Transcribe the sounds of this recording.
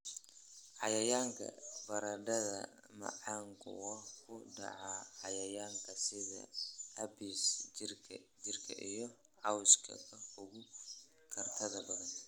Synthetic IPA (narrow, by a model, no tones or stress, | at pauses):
ʕɑjɐjaːŋkʰɐ̰bɐɾɐɖɐðɐ̰ | mɐ̰ʕɑːŋkʰʊ̰wɐkʰʊɖɑ̰ʕaʕɑjɐjaːŋkʰɐsɪðɐ̰hɐbiːs | d͡ʒɪrkʰɐʔijɔ | ʕɑwskʰɐ̰ɐʊɣʊ | kʰɐrt̪ʰɐðɐbɐðɐn